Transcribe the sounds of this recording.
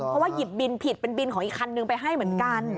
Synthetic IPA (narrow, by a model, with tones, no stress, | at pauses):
pʰɔ˧waː˥˩ji˨˩p̚bi˧npʰi˨˩t̪̚pe˧nbi˧nkʰɔ˩˦ŋʔkʰːa˧nːɯ˧ŋpa˧jɦa˥˩jmɯ˩˦ənka˧n